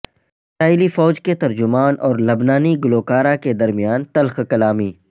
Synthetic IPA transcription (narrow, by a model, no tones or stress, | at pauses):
ɪsɾaːɪlifɔːd͡ʒket̪ɐɾd͡ʒʊmaːnʔɔːɾlɐbnaːniɡʊloːkaːɾaked̪ɐɾmijaːnt̪ɐlxkɐlaːmiː